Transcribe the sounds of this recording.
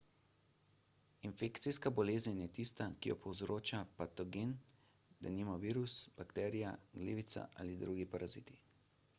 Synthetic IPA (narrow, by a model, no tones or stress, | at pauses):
infekt̪sijskabɔleːzənjɛt̪ist̪akijɔpɔwzɾoːt͡ʃapat̪ɔɡen | d̪aniːmaʋiːɾusb̥akt̪ɛːɾijaɡlḛːʋit̪sa̰ʔa̰ːlid̪ɾuːɡipaɾʔazit̪i̥